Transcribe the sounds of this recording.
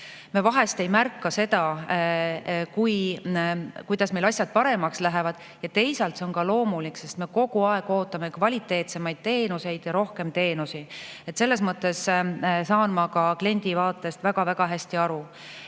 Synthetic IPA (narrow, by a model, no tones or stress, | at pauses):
mevɑɦe̞st̪e̞jmærkːɑse̞d̪ɑ | kuj | kujd̪̥ɑsme̞lɑsʲjɑd̪̥̚pɑɾe̞mɑkslæɦe̞vɑd̪̥ | jɑt̪e̞jsɑlt̪se̞o̞nkɑlo̞ːmulikːse̞st̪me̞ko̞ɡ̥uɑe̞ɡ̥o̞ːt̪ːˑɑme̞kvɑlʲit̪ːˑe̞ːt̪se̞mɑjd̪̥̚t̪e̞ːnuse̞jd̪̥jɑɾo̞hke̞mt̪e̞ːnusie̞t̪se̞lːe̞s̬mɤt̪ːˑe̞ssɑːnmɑkɑkle̞nʲd̪̥ivɑːt̪ːˑest̪væɡ̥ɑvæɡ̥ɑɦæsʲt̪iɑɾu